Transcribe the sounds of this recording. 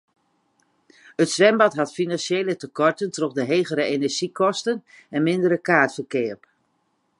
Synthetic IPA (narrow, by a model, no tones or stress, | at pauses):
ətsʋɛmbɑtɦɑtfinanseːlətəkɔrtəntroχdəɦejɣəɾəenɛɹʒ̥ikʰɔstən | ɛnmɪndəɾəkaːtfərkɪːəp